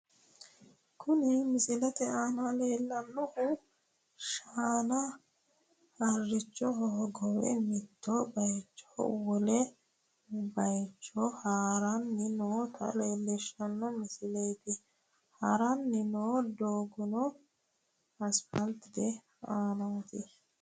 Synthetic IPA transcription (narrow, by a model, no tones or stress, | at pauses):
kʰʊnɪmɪsɪlɛt̪ɛaːnɐleːlːɐnːɔhʊ | ʃaːnɐ | hɐrːɪt͡ʃːɔɦɔɦɔɡɔwɛ̰mɪt̪ːɔbɐjt͡ʃːɔ̥̰wɔlɛ | bɐjt͡ʃːɔhaːɾɐnːɪnoːt̪ʰɐ̰le̞ːlːɛʃːɐnːɔmɪsɪlɛjt̪ɪ | hɐɾɐnːɪnoːd̪oːɡʊnɔ | ɐspɐlt̪ːɪd̪ɛ | aːnɐnt̪ɪ